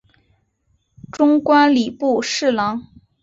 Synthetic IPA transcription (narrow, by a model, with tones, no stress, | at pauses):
ʈ͡ʂʊ˥ŋkwa˥nli˨˩pu˥˧ʂɻ̩˥˩lɑ˧˥ŋ